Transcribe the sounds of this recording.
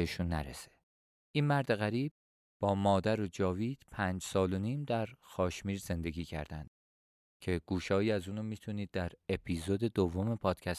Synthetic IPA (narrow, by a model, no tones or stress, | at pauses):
eʃunːæ̰ɾḛse̥ | ʔiːnmæɾd̪e̞ɣæɾiːb̥̚ | b̥ɒːmɒːd̪æɾod͡ʒɒːviːd̪̥pʰæːnd͡ʒsɒːlo̞niːmd̪æɾxɒːʃmiːɾze̞nd̪e̞ɡʲiːcʰæ̰ɾd̪æ̰nd̪̥̚ | cʰe̞ɡ̥uːʃɒːjiːæzuːnomiːt̪ʰuniːd̪ːæɾe̞pʰiːzod̪e̞d̪ovːome̞pʰɒːd̪̥cʰæs